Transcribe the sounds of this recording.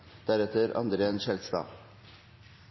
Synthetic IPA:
d̪̥æɾɛt̪ʰəɾʔɑ̰nd̪ɾəenʃɛlst̪ɑ̰ː

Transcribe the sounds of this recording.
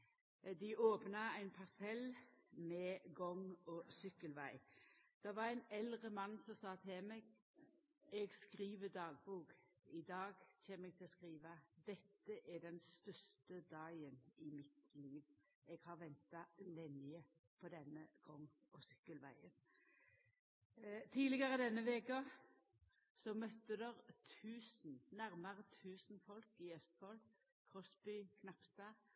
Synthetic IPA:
d̪ɪʔoːpnɑæɪnpʰɑsɛlmɛɡɔŋɔsʏkːəlʋæɪd̪̥ɛʋɑɾæɪnɛlʁəmɑnːsɔsɑːt̪ʰɪlmɛɡ | ɛɡskʁiːʋəd̪ɑːɡ̚buːk | ɪd̪ɑːɡçeːməɛɡ̚t̪ʰɪlɔskʁiːʋɑd̪ɛt̪ːəʔæɖɛnst̪œst̪əd̪ɑɪənɪmɪt̪liːʋ | ɛɡ̥hɑʁʋɛnt̪ɑlɛnɪə | pʰɔd̪ɛnːəɡ̥ɔŋː | ɔsʏkːəlʋæɪən | t̪ʰiːlɪɡɑʁəd̪ɛnːəʋeːkə | sɔmœt̪ːəd̪əʁt̪ʰʉːsn̩næʁmɑʁət̪ʰʉːsn̩fɔlkɪœst̪fɔl | kʰʁɔsbyːkʰnɑpsd̪ɑː

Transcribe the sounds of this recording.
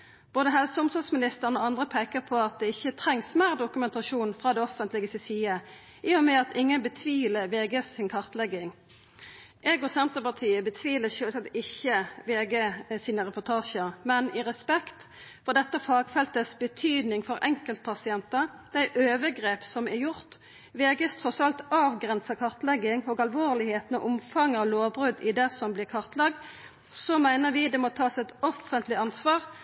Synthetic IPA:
b̥oːd̪əɦɛlsəʊmsɔsmɪnɪst̪əʁənoːɑnd̪ʁəpʰæɪkəpʰɔɑt̪̚d̪ɛɪçːət̪ʰɾɛŋsmæːʁd̪ʊkʉmɛnt̪ɑʃuːnfʁɑːd̪ɛɔfənt̪lɪɡəsɪsiːə | ʔiːɔmɛɑt̪ɪŋːənbət̪ʰʋiːləʋeːɡeːsɪnkʰɑʁt̪lɛɡɪŋ | ʔɛɡʊsɛnt̪əpɑt̪ʰiːəbət̪ʰʋiːləʃøːlsɛt̪ɪçːəʋeːɡesiːnəʁɛpʊt̪ʰɑːʃəɾmɛnɪʁɛspɛkt̪ | fɔʁd̪ɛt̪ːəfɑːɡ̥fɛlt̪əsbət̪ʰyːd̪nɪŋfɔɾʔɛŋkəlt̪̚pʰɑsɪɛnt̪əʁ | d̪̥æɪʔøːʋəɡʁeːpsɔmɛɾjʊʁt̪ | ʋeːɡəst̪ʰɔsɑlt̪ɑːʋɡʁɛnsəkʰɑʁt̪lɛɡːɪŋɔːɡɑlʋoːʁlɪheːt̪n̩ɔʔʊmfɑŋːɑloːbɾʉd̪ɪd̪ɛsɔmblɪkʰɑʁt̪lɑɡ̚d̪ | sɔmæɪnəʁʋɪd̪ɛmɔt̪ʰɑːsɛt̪ɔfənt̪lɪɑnsʋɑːʁ

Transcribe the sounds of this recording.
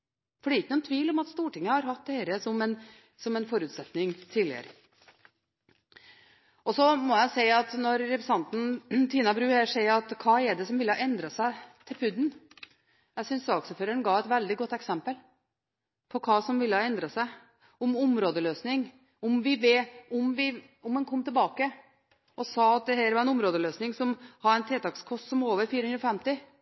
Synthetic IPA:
fɔɖɛɾɪkːnuːnt̪ʰʋiːlɔmɑt̪st̪uːʈɪŋːəhɑɾhɑt̪̚d̪ɛhɛːɾəsɔmɛn | sɔmɛnfɔɾʉːt̪sɛt̪nɪŋt̪ʰiːlɪ̰ə̰ɾə | ʔɔsɔmɔjæɪsæɪɑt̪nɔɾːɛpɾəsɑnt̪n̩t̪ʰiːnɑbɾʉːæʂæɪɑt̪kʰɑːɛɖɛsɔmʋɪləhɑʔɛnd̪ɾɑsæɪt̪ʰɪlpʰʉd̪n̩ | jæsʏnsɑksəføːɾəɳɡɑːʋɛt̪ʋɛld̪ɪɡɔt̪ːɛksɛmpəl | pʰɔkʰɑːsɔmʋɪlːəhɑɛnd̪ɾɑsæɪ | ɔmʊmɾoːd̪əløːsnɪŋ | ɔmʋɪʋeːɔmʋɪ | ʊmɛnkʰɔmːt̪ʰɪlbɑːkə | ʔɔsɑːɑt̪̚d̪ɛhæːɾʋɑɾɛnʊmɾoːd̪əløːsnɪŋsɔmhɑɾæɪnt̪ʰɾeːt̪ɑkskʰɔst̪sɔmoːʋəɾfiːɾəhʉnɾɔfɛmt̪ɪ

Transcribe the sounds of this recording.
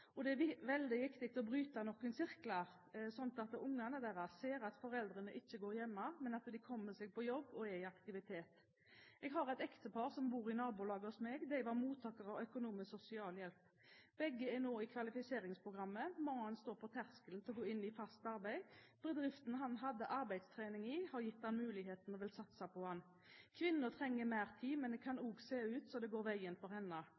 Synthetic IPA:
ɔd̪ɛɛʋɛld̪ɪʋɪkt̪ɪk̚t̪ɔbɾyːt̪ɑnɔkːənsɪɾklɑ | sɔnt̪ɑt̪ʊŋːɑnəd̪æɾɑseːɾɑt̪fɔɾɛld̪ɾənəʔɪçːəɡoːɾjɛmːɑmɛnɑt̪d̪ɪkʰɔmːəsɛɡ̚pɔjɔbːɔɛɪɑkt̪ɪʋɪt̪ʰeːt̪ | ɛɡɦɑɾɛt̪ɛkt̪əpʰɑːɾsɔmbuːɾɪnɑːbulɑːɡəɔsmɛɡd̪æɪʋɑɾmuːt̪ʰːɑːkəɾɑʋœkʊnuːmɪssʊsɪɑːljɛlp | b̥ɛɡːəɛnoːɪkʰʋɑlɪfɪseːɾɪŋspʰʁʊɡʁɑmːəmɑŋːəɑnst̪oːɾpʰɔt̪ʰæʁskəln̩t̪ɪlɔɡoːɪnːɪfɑst̪ɑɾbæɪb̥əd̪ʁɪft̪nɦɑnɦɑd̪ːəʔɑɾbæɪd̪st̪ʰʁeːnɪŋiːhɑɾjɪt̪ːdɑnmʉːlɪɦeːt̪nɔʋɪlsɑt̪ːsæɪpʰɔʋɑnː | kʰʋɪnːət̪ʰʁɛŋːəmæːʁt̪ʰiːmɛnd̪ɛkʰɑnuːɡseːʉːt̪sɔd̪ɛɡoːɾʋæɪənfɔʁhɛnːə

